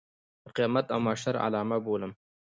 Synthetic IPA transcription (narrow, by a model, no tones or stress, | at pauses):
əqijɑmat̪awmaʃaɾa̰lɑːmaboːləm